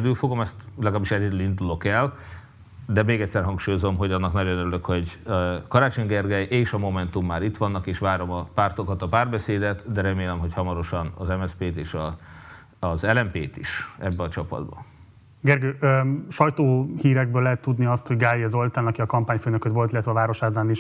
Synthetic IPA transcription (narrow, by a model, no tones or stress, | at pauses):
d̪yːlfo̞ɡo̞mɛst̪lɛɡaːbːiʃɛɟɛd̪yːlind̪ulo̞kɛl | d̪ɛmeːɡɛc̪ʲsɛrɦɒŋkʃuːjo̞zomɦo̞ɟɒnːɒknɒɟo̞nøɾyløkho̞ɟkɒɾaːt͡ʃoɲɡɛrɡɛjʔeːʃɒmo̞mɛnt̪umːaːɾit̪ʋɒnːɒkeːʃʋaːɾo̞mɒpaːrt̪o̞kɒt̪ɒpaːrbɛseːd̪ɛt̪d̪ɛɾɛmeːlɛmɦo̞chɒmɒɾo̞ʃɒnɒ̰zɛmɛspeːt̪eːʃɒː | zɛlɛmpeːt̪ḭʃɛbːɛɒt͡ʃɒpɒ̰d̪bɒ̰ | ɡɛrɡøːøʃɒjt̪oːhiːɾɛɡ̚bøːlɛɦɛt̪ːud̪niɒst̪ho̞ɟɡaːlːiɒzo̞lt̪aːnɒkiɒkɒmpaːɲføːnøkøt̪ʋo̞lt̪ilːɛt̪ʋɛːvaːɾo̞ʃhaːzaːniʃ